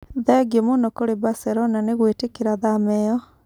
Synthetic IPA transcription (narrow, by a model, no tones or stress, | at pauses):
ðɛɡemonɔkoɾebaseɾonaneɣweːtekeɾaðamɛɔ